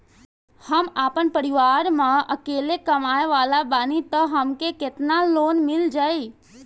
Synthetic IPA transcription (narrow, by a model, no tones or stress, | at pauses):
həmaːpənpəɾiʋaːɾmãəkeːlekəmaːeʋaːlabaːnit̪əɦəmkeket̪naloːnmɪld͡ʒaːi